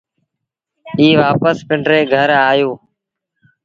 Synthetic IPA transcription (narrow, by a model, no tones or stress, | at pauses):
iːʋaːpəspɪɳɖɾeːɡʱəɾaːjoː